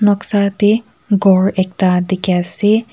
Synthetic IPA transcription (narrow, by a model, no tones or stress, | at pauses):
nɔksat̪i | ɡɔɹɛk̚t̪ad̪ikɛsi